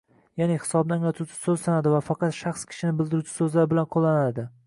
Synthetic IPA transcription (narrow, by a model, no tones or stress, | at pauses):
janehɪ̥sɒbnɪaŋlat̪ʰuwt͡ʃʰɪ̥sɵzsanad̪ɪvafɑqɑt̪ʃɑχskʲʰɪ̥ʃɪnɪbɪld̪ɪɾut͡ʃʰɪ̥sɵzlaɾɪbɪlanqʰolˠːanad̪ɪ